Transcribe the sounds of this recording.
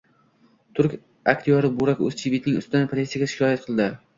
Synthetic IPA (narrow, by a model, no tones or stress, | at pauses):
t̪ʰʊɾkʲ | akʲt̪ʰɪjɒɾɪbʊɾakʲɵ̰z̥t͡ʃʰibit̪nɪŋʊ̰st̪ɪd̪anpʰɾʲesijaɡʲaʃɪ̥kʲʰɒjat̪̚qʰɨlˠd̪ɪ